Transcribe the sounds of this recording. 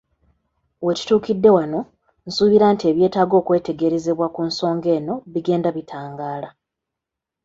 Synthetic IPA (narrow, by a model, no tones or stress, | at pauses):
we̞ci̥tuːkidːe̞wano̞ | n̩suːβiɾantie̞βje̞ːtaːɡo̞ːkwe̞ːte̞ɡe̞ɾe̞ze̞βwakunso̞ːŋɡe̞ːno̞βiɡe̞ːndaβitʰaːŋɡaːla